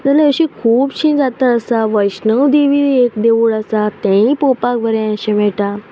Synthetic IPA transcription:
d͡zəlaəɕĩkʰuːbɕĩd͡zat̪əəsaʋəjɕnəʋd̪iʋiekd̪eʋuɭəsat̪ɛ̃ĩpopak̚bəɾɛ̃jãɕem̤ɛɭʈa

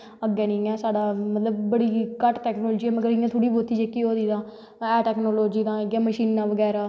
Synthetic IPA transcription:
əɡɛːnĩːɛːsaːɖaːmət̪ləb̚ːəɽiːkəʈʈɛːknoːld͡ʒiːɛːməɡəɾɪjãːt̪ʰʊɽiːboːt̪iːd͡ʒekiɦoːd̪iːd̪ãː | ɛːʈɛːknoːloːd͡ʒiːd̪ãːəɡɛːməʃiːnːãːʋəɡɛːɾaː

